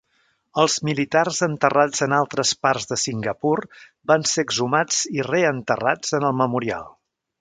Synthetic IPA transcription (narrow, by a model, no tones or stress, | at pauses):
əlˠzmilit̪arzənt̪ərad͡zənalˠt̪ɾəsparzðəsiŋɡəpur | banseɡzumad͡z̥ireənt̪ərad͡zənəlˠməmuɾia̰lˠ